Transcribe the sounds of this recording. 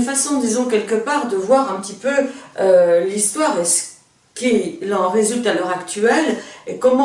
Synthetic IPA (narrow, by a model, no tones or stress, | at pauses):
nfasɔ̃d̪izɔ̃kʲɛlkəpaʁd̪əvwaʁɛ̃pət̪ipøølist̪waʁesə̥ | kʲilɑ̃ʁezylt̪alœʁakt̪ɥɛlekɔmɑ̃